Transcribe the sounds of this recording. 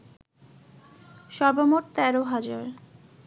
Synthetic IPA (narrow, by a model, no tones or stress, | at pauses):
ʃɔɾbomoʈt̪ɛɾoɦad͡ʑaɾ